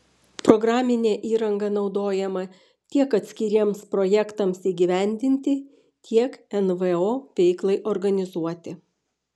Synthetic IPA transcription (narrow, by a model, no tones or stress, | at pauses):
pɾɔɡɾɑːmʲɪnʲeːʔiːɾɐŋɡɐnɒʊd̪oːjɛmɐ | t̪ʲiɛkɐt̪ʲsʲkʲɪɾʲiɛmspɾojɛkt̪ɐmsiːɡʲɪʋʲæˑnʲd̪ʲɪnʲt̪ʲɪ | t̪ʲʰiɛkɛnʋɛoːʋʲɛɪklˠɐɪʔɔɾɡɐnʲɪzuɔt̪ʲɪ